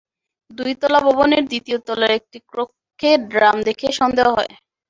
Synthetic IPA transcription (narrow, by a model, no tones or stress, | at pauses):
d̪ujt̪ɔlaboboneɾd̪it̪iot̪ɔlaɾek̚ʈikɾokʰːeɖɾamd̪ekʰeʃɔnd̪eaɦɔe